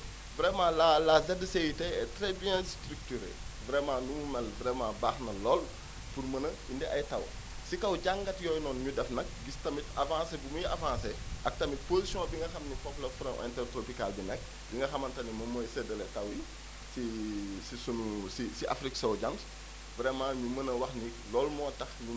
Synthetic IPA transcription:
vɾɛmãːlalazɛdəsejitɛɛtɾɛbijɛ̃stɾyk̚tyɾḛːvɾɛmãːnumumɛlvɾɛmãbaːxnɐlɔːl | purmɐnə | indɛʔɐjtɐw | sikɐwɟaŋɡɐtjɔːjnɔːnɲudɛfnɐk̚ɡistɐmitɐvãːsebumujiavãːsɛʔɐk̚tɐmit̚pozisijɔ̃ːbiŋɡɐxɐmnipɔplɐfuɾɐ̃ʔɛ̰̃ntɛrtɾopikalbinɛk̚ | biŋɡɐxɐmɐntɐnimɐmɔːjsɛdəlɛtɐwji | sisisunusisiʔafɾiksɐwɟɐns | vɾɛmãːɲumɐnəwɐxni | lɔːlmɔːtɐxɲu

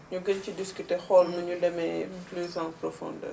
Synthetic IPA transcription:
ɲuɡəɲcidiskytexɔlməɲudɛmɛplyzãprɔfɔ̰ndə̰

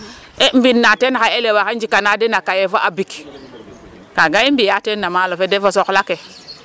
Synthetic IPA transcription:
em̩binːatenxaelewakend͡ʒikanadenakajefoʔabik | kaɡaimbijatenːamalofedefosoklake

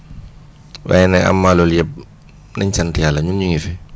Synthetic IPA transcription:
wa̰jɛnɛa̰mːaːlɔljɛb̚ | nɐɲt͡ʃantijalɐɲunɲuŋifɛ

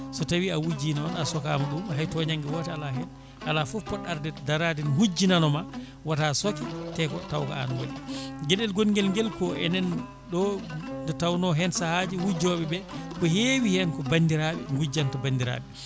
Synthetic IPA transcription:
sɔtawiawud͡ʒinɔnasɔka̰maɗumɦajtɔɲaŋɡiwɔtɛalaɦɛn | alafufpːɔɗaɾdɛdaɾadinhud͡ʒːinanɔma | watasokitɛkɔtawka̰a̰nwa̰liɡɛɗɛlɡonŋɡɛlŋɡɛlkɔʔɛ̰nɛn | ɗɔndɛtawnɔɦɛnsahad͡ʒihud͡ʒɔɓɛbɛkɔhewihɛnkɔbandiɾaɓɛ̰ŋɡud͡ʒantabandiɾa̰ːɓɛ

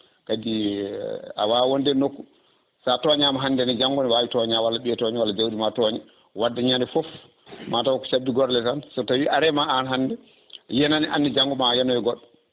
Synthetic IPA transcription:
kadi | a̰wawondɛnokːu | satɔɲamaɦandɛnid͡ʒaŋɡɔniwawitɔɲawalːaɓiɛtɔɲiwalːad͡ʒawɗimatɔɲɛ | wadːaɲandɛfɔf | matawkːɔ̥t͡ʃabːiɡɔɾlɛtansɔtawiʔaɾɛmaanɦanːdɛ | jɛnaniʔanːid͡ʒaŋɡɔmajɛnɔjɛɡɔɗːɔ

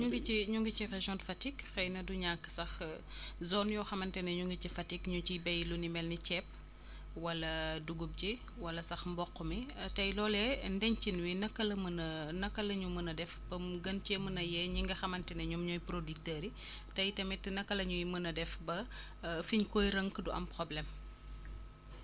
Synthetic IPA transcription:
ɲuŋɡiiɲuŋɡicireʒɔnfɐtikxɐjnɐduɲakːsɐx | zɔːnjɔxɐmɐntɛnɐɲuŋɡit͡ʃifɐtikɲucibɛjlunimɛlnit͡ʃɛːp̚ | wɐlɐduɡub̚d͡ʒi | wɐlɐsɐxmbɔqːumitɐjlɔːlɛndɛɲt͡ʃinwinɐkːɐlɐmənɐnɐkːɐlɐɲumənɐdɛfbɐmɡɐnt͡ʃemənɐjɛɲiŋɡɐxɐmɐntɛnɐɲumɲɔjpɾodik̚təɾi | tɐjtɐmitnɐkːɐlɐɲujimənɐdɛfbɐ | fiɲkɔːjɾəŋkduʔɐ̰mpɾɔblɛm

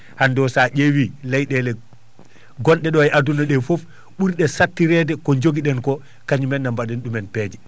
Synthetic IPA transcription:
handɔsaʔewilɛjɗɛlɛ | ɡɔnɗɛɗɔajʔadunaɗɛfof | ɓuɾɗɛsatːiɾɛdɛkɔɲd͡ʒoɡiɗɛnkɔ | kaɲimɛnːambaɗɛnɗumɛnpɛːd͡ʒɛ

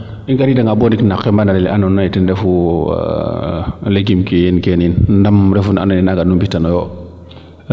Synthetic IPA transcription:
iŋɡaɾidaŋɡaboniknakːɛmbanalɛliʔanɔnːajitindɛfṵ | leɡimkijinkeninndamɾɛfuna̰nɔninaɡanumbitanɔjɔ

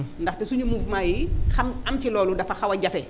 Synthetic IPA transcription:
ndɐxtɛsuɲumuːfmajixɐmɐmcilɔːludɐfɐxɐwɐɟɐfɛ

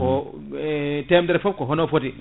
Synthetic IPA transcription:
ɔ | tɛmdɛɾfɔp̚kɔɦɔnofoti

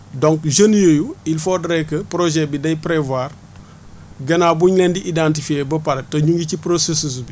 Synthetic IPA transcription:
doŋkʒənjojuilfodɾekəpɾoʒebidɐjpɾevaɾ | ɡɐnabuɲlendiʔidãntifiebɐpaɾtɐɲuŋɡicipɾosesus̬bi

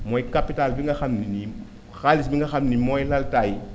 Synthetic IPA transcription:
moikapitalbiŋɡaxamnini | xalisbiŋɡaxamnimoilaltai

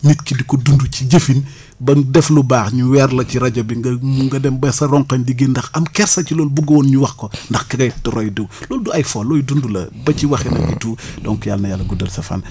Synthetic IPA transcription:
nitkidikɔdunduciɟɐfin | bɐŋdɛflubaːxɲuwɛrlɐciɾɐɟɐbiŋɡɐmuŋɡɐdɛmbɐsɐɾɔŋkɐɲdiɡindɐxɐmkɛɾsɐcilɔːlbuɡɐwɔːnɲuwɐxkɔndɐxkɐɡɐjtɔɾɔjdəwlɔːlduɐjfɔlɔːjdundulɐ̰bɐciwɐxɛnɐ̰ituːdɔŋkɔjaːlnɐjalːɐɡudɐlsɐfa̰ːn

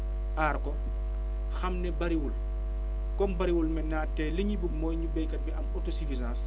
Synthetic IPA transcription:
ʔaːɾkɔ | xɐmnɛbɐɾiwul | kɔmbɐɾiwulmɛnaːtːɛːləɲibuɡmɔːjɲubɛjkɐt̚biʔɐmɔtosifizãːs

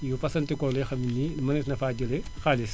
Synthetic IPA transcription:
jupɐsɐntikɔlexɐminimɐnisnɐfaːd͡ʒɐlexaːlis

